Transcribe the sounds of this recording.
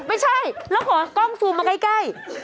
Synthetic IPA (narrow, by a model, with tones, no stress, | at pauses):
ma˥˩jt͡ɕʰa˥˩jlɛː˦˥wkʰɔː˩˦t̪ɔ˥˩ŋsuː˧maː˧ka˥˩jka˥˩j